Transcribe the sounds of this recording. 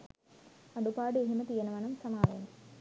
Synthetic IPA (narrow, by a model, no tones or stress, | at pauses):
ɐɖupaːɽɨeɦimɐt̪iːɐnɐʋɐnɐmsɐmaːʋḛːn